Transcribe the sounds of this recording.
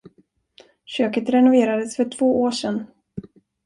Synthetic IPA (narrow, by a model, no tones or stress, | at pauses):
ɕøːkət̪ɾɛnʊveːɾad̪əsfœʈʰv̥oːʔoːʂɛnː